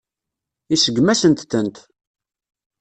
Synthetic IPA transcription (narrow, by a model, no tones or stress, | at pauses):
isəɡmæsənt̪θənt̪